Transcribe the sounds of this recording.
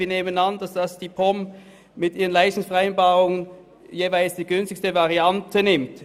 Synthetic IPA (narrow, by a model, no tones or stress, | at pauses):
iɐneːmənandasd̥asd̥iːpʰɔm | mɪtʔiːʁənlaɪsdŋ̩sfɛʁaɪnbaːʁʊŋən | jeːvaɪlsd̥iːɡʏnstɪçstəvaʁiantʰənɪmt